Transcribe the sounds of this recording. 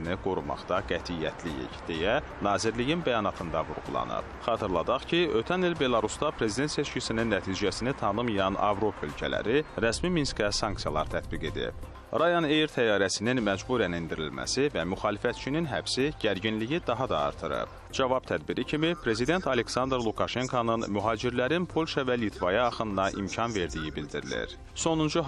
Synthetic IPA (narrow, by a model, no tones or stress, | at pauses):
niɡ̥oɾumɑ̰χt̪ɑɡæt̪ʰijːæ̰t̪ʰlijḭçd̪̥ejæ | nɑːziɾlijinbæjɑnɑt̪ʰɯnd̪ɑvṵɾɣṵlˠɑ̰nɯ̰pχɑːt̪ʰɯɾlˠɑd̪ɑχcʰiø̞t̪ʰænilbe̞lˠɑɾusd̪ɑpʰɾe̞zid̪e̞nt̪se̞t͡ʃcisininːæt̪ʰiːd͡ʒæsinit̪ʰɑnɯmijɑnʔɑ̰vɾo̞pʰɑølcʰælæ̰ɾiɾæsmiminskæsɑŋksijɑlˠɑ̰ɾt̪ʰæt̪biɡe̞̰d̪ḭb̥ | ɾɑjɑnejɾt̪ʰæjɑːɾæsininmæd͡ʒbuɾænind̪iɾḭlmæ̰sivæmyxɑːlifæt̪t͡ʃʰininɦæbsiɟ̥æɾɟinlijid̪ɑɦɑd̪ɑ̰ːɾt̪ʰɯɾɯ̰p | d͡ʒɑvɑb̥̚t̪ʰæd̪biɾicʰimipʰɾe̞zid̪e̞nt̪ʰɑle̞ksɑnd̪ɾlˠukʰɑʃe̞ŋkʰonɯnmyɦɑːd͡ʒiɾlæɾinpʰo̞lʲʃɑvælit̪ʰvɑjɑːχɯnd̪ɑʔḭmcʰɑnve̞ɾd̪ijibild̪iɾḭlḭɾ | so̞nund͡ʒu